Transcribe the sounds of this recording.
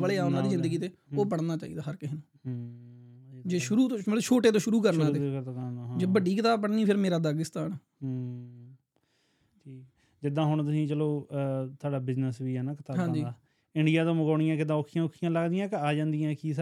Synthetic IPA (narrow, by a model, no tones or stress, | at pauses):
bəɭeːaːʊnãːiːzɪnd̪əɡiːt̪eːoːbəɽnaːt͡ʃa̰ːiːd̪aːɦəɾkɪɦnũː | d͡ʒeːʃʊɾuːt̪õːəlʃʰoːʈeːt̪õːʃʊɾuːk̬əɾnãːeːd͡ʒeːbəɖiːkət̪aːb̚pəɽniːpʰɪɾmeːɾaːd̪aːɡɪst̪aːnː | ɦ | ʈʰiːk | d͡ʒɪd̪ãːɦʊɳt̪ʊsĩːt͡ʃəloːt̪ʰʊaːɖaːbɪznəsʋiːɦɛːnaːkət̪aːɦãːd͡ʒiːa | ɪɳɖɪjaːt̪õːməɡaːɽ̃ɪjãːkɪd̪ãːʊkʰijãːʊkʰːɪjãːləɡd̪ɪjãːkaːd͡ʒãːnd̪ɪjãːkiːs